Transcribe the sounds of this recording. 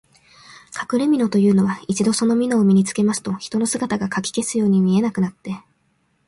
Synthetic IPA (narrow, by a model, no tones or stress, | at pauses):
kʰḁkɯ̟ɾe̞mʲino̞t̪o̞jɯ̟ːno̞βait͡ɕid̪o̞so̞no̞mʲino̞ːmʲiɲ̟it͡sɨ̥ke̞masɨ̥t̪o̞çi̥t̪o̞no̞sɨɡat̪aɡakakʲi̥ke̞sɨjo̞ːɲ̟imʲie̞nakɯ̟nat̪ːe̞